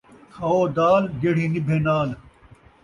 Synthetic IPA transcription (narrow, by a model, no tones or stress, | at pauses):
kʰɐoːd̪aːlɡeɽ̤iːnibʱẽːnaːl